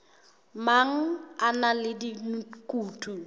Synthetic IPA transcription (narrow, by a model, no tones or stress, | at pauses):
maŋ̩analɪdikʼuːtʰʼu